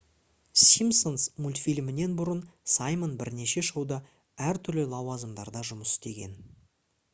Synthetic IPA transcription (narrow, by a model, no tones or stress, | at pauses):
sʲimso̞nsmulʲt̪fʲilʲmɪne̞nbʊɾənsɑjmənbɪɾne̞ʃe̞ʃɑwd̪ɑ | æɾt̪ʰʏɾlɪlˠɑwɑzəmd̪ɑɾd̪ɑʒʊməsɪst̪e̞ɡʲe̞̰n